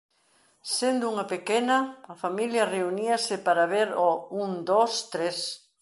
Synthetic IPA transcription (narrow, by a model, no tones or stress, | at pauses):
send̪ʊuŋɐpekenɐɐfamiljɐreuniɐsɪpaɾaβeɾɔuŋd̪ost̪ɾes